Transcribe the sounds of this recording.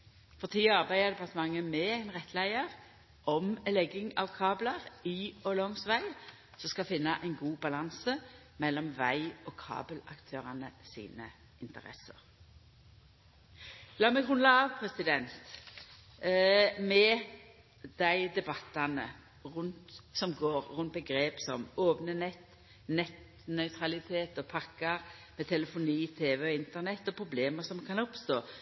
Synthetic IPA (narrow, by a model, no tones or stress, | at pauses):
fɔʁt̪ʰiːɑʁbæɪd̪əd̪ɛpɑʁt̪əmɑŋːəmɛæɪnʁɛt̪ʰːlæɪəʁ | ʔɔmlɛɡɪŋɑʋkʰɑːblɑʁiɔlɔmsʋæɪ | sɔskɑfɪnːɑʔæɪnɡuːbɑlɑnsə | mɛlːɔmʋæɪɔkʰɑ̰ːbəlɑ̰kt̪ʰøːʁɑnəsḭːnə | ɪnt̪əʁɛ̰sə̰ʁ | lɑːmɛɡʁʉnlɑɑːʋpʰɾɛsɪd̪ɛnt̪ | mɛ | d̪̥æɪd̪ɛbɑt̪ːɑnə | ʁʉnt̪sɔmɡoːɾʁʉnt̪̚bəɡɾeːpsɔmoːpnənɛt̪ː | nɛt̪ | nœʏt̪ʰʁɑlɪt̪ʰeːt̪ɔpʰɑkːɑʁmɛt̪ʰɛləfʊniːt̪ʰeːʋɛɔɪnt̪ənɛt̪ːɔpʰʁʊbleːməsɔmkʰɑnɔpst̪oː